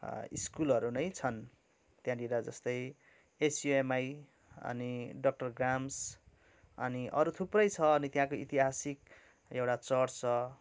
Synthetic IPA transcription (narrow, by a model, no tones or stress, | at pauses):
ḭskulʌɾunʌjt͡sʰʌn | t̪jãdiɾad͡zʌst̪ʌj | esjuemaj | ʌ̰niɖʌk̚ʈʌrɡrams | ʌ̰niʔʌ̰ɾut̪ʰuprʌjt͡sʰʌːnit̪jãkoit̪iɦasik̚ | ewʈat͡sʌrt͡sʌ